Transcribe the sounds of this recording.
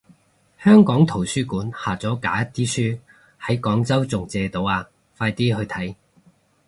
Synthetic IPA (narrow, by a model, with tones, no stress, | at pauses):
hœː˥ŋkɔː˨˥ŋt̪ʰo˨˩wsyː˥kuː˨˥nhaː˨˩t͡sɔː˨˥ka̰ː˨˥jɐ˥t̪ʰiː˥syː˥ | hɐ˨˥jkɔː˨˥ŋt͡sɐ˥wt͡sʊ˨ŋt͡sɛː˧t̪o˨˧waː˧ | faː˧jt̪iː˥ɦɵ˧ɥt̪ʰɐ˨˥j